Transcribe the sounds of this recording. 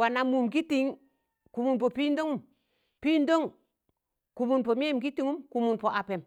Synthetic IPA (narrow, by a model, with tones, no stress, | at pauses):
wa˨na˨mu˨mɡi˦ti˨ŋ | ku˨mu˨npo˨pi˦ndo˦ŋu˨m | pi˦ndo˦ŋ | ku˨mu˨npo˨m˦e˦˨mki˦ti˨ŋu˦mku˨mu˨npo˨ʔa˨pe˨m